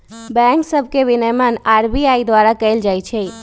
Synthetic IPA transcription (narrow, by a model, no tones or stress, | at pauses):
bɛ̃ŋksəbʱkeʋinəjmənaːɾbiaid̪waɾakəɪld͡ʒajt͡ʃʰɛ